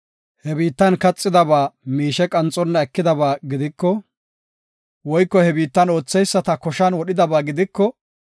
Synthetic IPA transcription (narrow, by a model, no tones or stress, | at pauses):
hɛbiːt̪ːɐnkɐt͡sʼːɪd̪ɐbaːmiːʃɛkʼɐnt͡sʼɔnːɐɛkːɪd̪ɐbaːɡɪd̪ɪkːɔ | wɔjkːɔhɛbiːt̪ːɐnoːt͡sːɛjsːɐt̪ɐkɔʃɐnwɔɗɪd̪ɐbaːɡɪd̪ɪkːɔ